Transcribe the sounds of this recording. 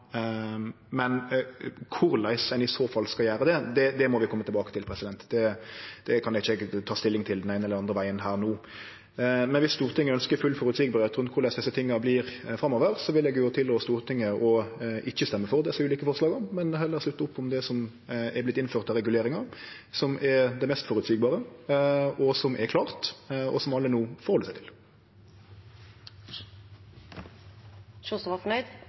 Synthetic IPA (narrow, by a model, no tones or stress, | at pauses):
mɛn | kʰʊɾlæɪsɛnɪsoːfɑlːskɑljæːɾəd̪ɛd̪ɛd̪ɛmɔʋɪkʰɔmːət̪ɪlbɑːkə̥t̪ʰɪlpʰɾɛsɪd̪ɛnt̪d̪ɛd̪̥ɛkʰɑnɛɡɪçɛɡt̪ʰɑːst̪ɪlːɪŋt̪ʰɪld̪ɛnæɪnəɛlːəɾɑnd̪ɾəʋæɪənɦæːɾnuː | mɛnʋɪst̪uːɾt̪ʰɪŋːəœnskəɾfʉlfɔɾʉt̪sɪɡbəɾet̪ɾʉnt̪kʰʊɾlæɪsd̪ɛsːət̪ʰɪŋːɑblɪɾfɾɑmoːʋəɾsɔʋɪlɛɡjoːt̪ʰɪlːɔst̪uːɾt̪ʰɪŋːəʔɔʔɪçːəst̪ɛmːəfɔʁd̪ɛsɛʉːliːkəfɔʁslɑːɡəmɛnhɛlːəɾslʉt̪ːəʊpːɔmd̪ɛsɔm | ɛblɪt̪ːɪnføːʁt̪ɑɾɛɡʉleːɾɪŋɑ | sɔmʔɛɾd̪ɛmɛst̪fɔɾʉt̪siːɡ̚bɑːɾə | ʔɔsɔmʔɛkʰlɑːʁt̪ʔɔ̰sɔmɑlːənuːfɔɾʁhɔlːəsæɪt̪ʰɪ̥l | ʃusʋɑfnœʏd̪